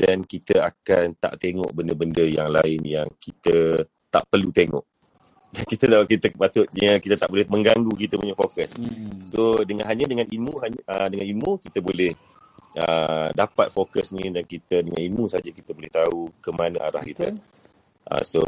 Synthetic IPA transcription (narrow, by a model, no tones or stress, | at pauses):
dankit̪əakant̪a̰ʔt̪eŋɔ̰ʔbəndəbəndəjaŋlaɪnjaŋkit̪ə | t̪a̰ʔpərlut̪eŋɔ̰ʔ | dankit̪ət̪akit̪əpat̪ʊt̪̚ɲəkit̪ət̪aʔbolɛhmə̃ŋɡaŋɡukit̪əpuɲəfokəsːodəŋanɦaɲadəŋanimũɦaɲədəŋanimũkit̪əbolɛh | ədapat̪̚fokəsnĩdankit̪ədəŋanimũsad͡ʒakit̪əbolɛht̪aukəmanã̰ʔaɾa̰hkit̪ə | ʔə̰so̰